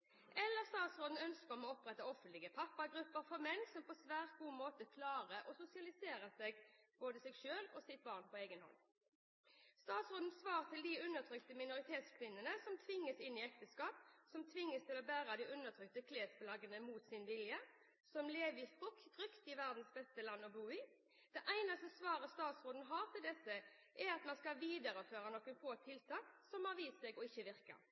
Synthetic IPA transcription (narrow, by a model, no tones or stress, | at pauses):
ʔɛlːəʁst̪ɑːt̪sʁoːd̪n̩œnskəʁɔmoːɔpʁɛt̪ːəɔfənt̪lɪɡəpʰɑpːɑɡʁʉpːəʁfɔʁmɛnːsɔmpʰɔsʋæːʁt̪̚ɡuːmoːt̪əkʰlɑːʁəʔɔsʊsɪɑlɪseːʁəseːɡboːd̪əsɛɡʃøːlɔsɪt̪̚bɑːʁnpʰɔeːɡənhɔ̰n | st̪ɑːt̪sʁoːd̪n̩sʋɑːʁt̪ʰɪld̪iʉnːəʁt̪ʰʁʏkt̪əmɪnʊʁɪt̪ʰeːt̪skʰʋɪnːənəsɔmt̪ʰʋɪŋːəsɪnːɪɛk̚t̪əskɑːp̚sɔmt̪ʰʋɪŋːəst̪ʰɪlɔbæːɾəd̪ɪʔʉnːəʁt̪ʰʁʏk̚t̪əkʰleːsplɑɡənəmuːt̪sɪnʋɪljə | sɔmleːʋəɪft̪ʁʊkd̪ʁʏkt̪ɪʋæʁd̪n̩sbɛst̪əlɑnːɔbuːɪː | d̪̥ɛʔæɪnɑst̪əsʋɑːʁəst̪ɑːt̪sʁoːd̪n̩ɦɑːʁt̪ʰɪld̪ɛsə | ʔɛɾɑt̪mɑnskɑʋiːd̪əʁəføːʁənɔkːənfoːt̪ʰːɪlt̪ʰɑːksɔmɑʁʋiːsɛɡɔɪçːəʋɪʁkə̰